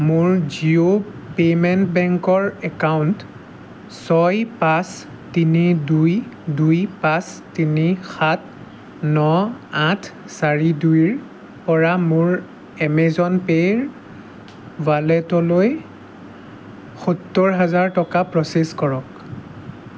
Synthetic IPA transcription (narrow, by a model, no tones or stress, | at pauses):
mʊɹziopemɛntbɛŋkɔɹɛkawnt | sɔjpas | tinidujdujpãstinixat̚ | nɔatʰ | saɹidujɹ | pɔɹamʊɹ | ɛmɛzɔnpeɹ | valɛtɔloj | xutːɔɹɦazaɹtɔkapɹɔseskɔɹɔk